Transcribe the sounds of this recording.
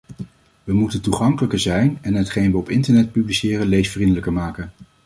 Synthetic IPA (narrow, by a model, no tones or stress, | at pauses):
ʋəmutəntuχɑŋkələkəzɛjnɛnɦətχejnʋəɔpɪntəɹnɛt̚pyblisɪːrənlejsfrindələkəɹmaːkən